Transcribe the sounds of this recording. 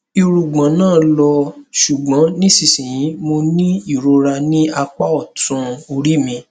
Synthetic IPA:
i˧ɾu˨ɡ͡bã˨˦nãː˦˨˧lɔ˧ʃu˨ɡ͡bã˨˦nĩ˦si˦˨sĩ˨jĩ˨˦mo˧nĩ˦i˦˨ɾo˧ɾa˧nĩ˦a˧k͡pa˦ɔ˦˨tũ˧˦o˧ɾi˦˨mĩ˧

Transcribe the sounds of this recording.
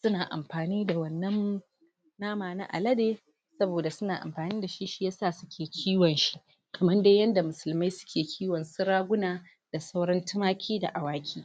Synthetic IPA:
sʊ˦naː˨ʔa̰˨mɸaː˨niː˦da˨wɐ˦nːɐ˦n | naː˦maː˨na̰˦ʔa̰˨lɐ˦deː˦ | sɐ˦boː˨da˨sʊ˦naː˨ʔa̰˨mɸaː˨niː˦da˨ʃi˦ʃi˦jaː˦saː˦˨sʊ˦kʲʰeː˨kʲʰiː˦wɐ˨nʃi˦ | kʰɐ˨mɐ˦nda˦jɐ˦nda˨mʊ˨sʊ˨lma˦jsʊ̥˦kʲʰeː˨kʲʰiː˦wɐ˨nsʊ˦ɽaː˦ɡʷʊ˦naː˨ | d̥a˨sɐ˦wɽɐ˦ntɪ˦maː˦kʲʰiː˦da̰˨ʔa˨waː˦kʲʰiː˦

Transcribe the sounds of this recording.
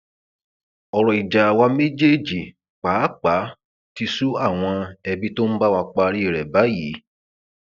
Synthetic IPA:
ɔ˨ɾɔ˨i˨d͡ʒa˨wa˧me˦d͡ʒe˦d͡ʒi˨ | k͡paː˨˦k͡pa˨˦ | ti˧su˦a˦˨w̃ɔ̃˧ɛ˧bi˦to˦n̩˦ba˦wa˧k͡pa˧˦˧ɾi˦e˦˨ɾɛ˨ba˨˦ji˨˦

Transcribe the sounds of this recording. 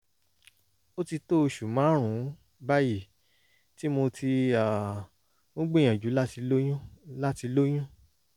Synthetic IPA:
o˦ti˧to˦˧ʃu˨mã˨˦ɾ̃ũ˨˦ | ba˦ji˦˨ | ti˦mo˧tʰi˧a˨ | ũ˦ɡ͡bẽ˦˨j̃ã˨d͡ʒu˨˦la˦ti˧lo˦jũ˦la˦ti˧lo˦j̃ũ˦

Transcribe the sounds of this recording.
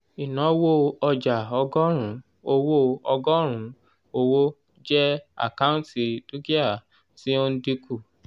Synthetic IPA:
i˨nã˨˦wo˦ɔ˧d͡ʒa˨ɔ˧ɡɔ˦ɾ̃ũ˨˦ | o˧wo˦ɔ˧ɡɔ˦ɾ̃ũ˨˦ | o˧wo˦ | d͡ʒɛ˦a̰˨ka˦ũ˦ti˨du˦ɡi˦a˦˨ | si˦o˦n̩˦di˦ku˦˨

